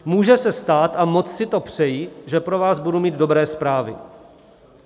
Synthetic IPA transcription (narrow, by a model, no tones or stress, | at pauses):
muːʒɛsɛst̪aːt̪amo̞t͡ssɪt̪o̞pr̝̥ɛjiʒɛpɾo̞vaːzbudumiːd̪̚do̞bɾɛːspɾaːvɪ̰